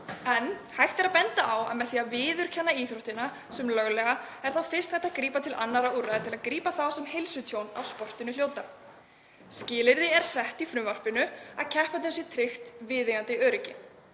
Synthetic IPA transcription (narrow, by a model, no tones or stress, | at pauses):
ɛnhajht̪ɛɾapɛnt̪aʔawa̰ðmɛðθiːavɪːðʏɾ̥cʰɛnːaiːθɾowht̪ɪnːa | sɛmlœɣlɛɣaɛɾ̥θawfɪr̥st̪hɛht̪aðkɾiːpat̪ʰɪla̰nːaɾaurːaðɪt̪ʰɪlaðkɾiːpaθawsɛmhelsʏt̪ʰjowna̰wspɔr̥t̪ɪnʏl̥joːwt̪a | scɪːlɪɾðɪɛɾ̥sɛht̪ifɾʏmvar̥pɪnʏaðcʰɛhpant̪ɪmsjɛt̪ʰɾɪxt̪vɪːðɪɣant̪ɪœːɾɪcɪ